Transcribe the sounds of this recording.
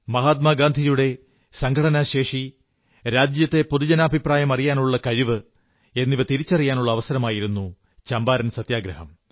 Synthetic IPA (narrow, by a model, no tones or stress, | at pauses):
mɐɦaːt̪̚maːɡaːnd̪ʱijuɽe̞ | sɐŋɡʱɐɽɐnɐɕe̞ːʂi | ɾaːd͡ʑjɐt̪ːe̞poðud͡ʑɐnaːbʱipraːjɐmɐrijaːnuɭːɐkɐɻiʋɨ | e̞nːiʋɐt̪iɾit͡ɕːɐrijaːnuɭːɐːʋɐsɐɾɐmaːjiɾunːu | t͡ɕɐmbaːɾɐnsɐt̪jaːɡɾɐɦɐm